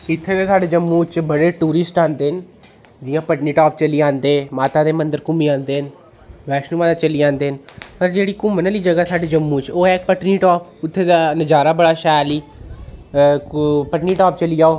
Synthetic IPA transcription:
ɪt̪ʰːeːd̪ẽːsaːɖeːd͡ʒəmːũːt͡ʃbəɽeːʈuːɾɪsʈãːnd̪eːɦn | d͡ʒ̪ɪːãːpəʈniːʈaːp̚t͡ʃəliːãːnd̪eːmaːt̪aːd̪eːmənd̪əɾkʊmiːãːnd̪eːɦn | ʋɛːʃnuːʋaːd̪aːt͡ʃəliːãːnd̪eːɦnpəɾd͡ʒeːɽiːkʊmənəliːd͡ʒəɡaːsaːɖeːd͡ʒəmːuːt͡ʃoːɛːk̚pəʈniːʈaːpʊt̪ʰːeːd̪aːnəd͡ʒaːɾaːbəɽaːʃaːliː | pəʈniːʈaːp̚t͡ʃəliːjaːoː

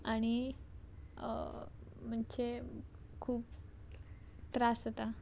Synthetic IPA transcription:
aɽ̃i | m̤əɳt͡ɕe | kʰuːp̚ | t̪ɾasət̪a

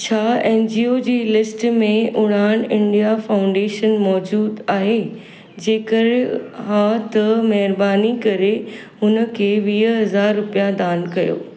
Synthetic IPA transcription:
t͡ɕʰaːeːnd͡ʑiːoːd͡ʑeːlɪsʈmẽʔʊɽ̤̃aːɽ̃ɪ̃ɳɖijafaːʊ̃ɳɖeːʃənmɔːd͡ʑuːd̪aːɦe | d͡ʑeːkəɾɪɦãt̪ɐmɐɦɪɾbaːnikɐɾe | ɦʊnə̆kʰeːʋiːɦɦɐzaːɾːʊpijad̪aːnkɐjo̰ː

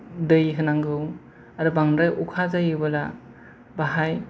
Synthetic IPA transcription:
dɯjɦɯnaŋɡɯw | aɾɯbaŋɾɯjʔukʰazajɯbɯla | baɦaj

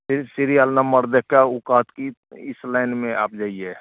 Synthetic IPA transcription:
sɪɾialnəməɾd̪ekaʊkaːt̪kiɪslaɪnmẽa̰ːpd͡ʒaːie

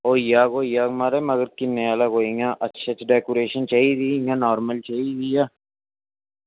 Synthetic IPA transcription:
oːijaːkoːijaːkmaːɾeːməɡəɾkɪnːeaːlaːkoːiŋaːʔətːʃʰat͡ʃɖɛːkoːɾeːʃənt͡ʃaːiːd̪iːŋaːnɔːɾməlt͡ʃaiːd̪iːjaː

